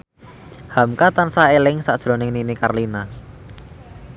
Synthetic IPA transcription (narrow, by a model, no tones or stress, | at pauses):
hamkat̪ansaelɪŋsad̥ʒ̥ɾo̤nɪŋninika̰rlina